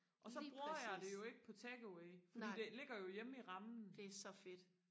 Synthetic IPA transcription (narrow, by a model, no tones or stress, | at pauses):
ʔɒ̽sɒ̽b̥ʁuɐɐjɑ̈ɪd̥e̝jo̝e̝ɡ̥əpʰɒ̽t͡sʰɛɡ̥əweɪfɒdḭːd̥e̝le̝ɡ̥ɐjo̝jeməiʁɑ̈mn̩d̥sɒfe̝d̥